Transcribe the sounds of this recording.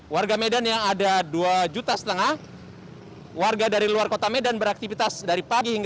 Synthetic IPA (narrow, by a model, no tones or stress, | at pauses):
warɡamedanjaŋadaduad͡ʒut̪asə̥t̪əŋah | warɡadaɾiluarkot̪amedanbəɾak̚t̪ifit̪asdaɾipaɡihiŋɡ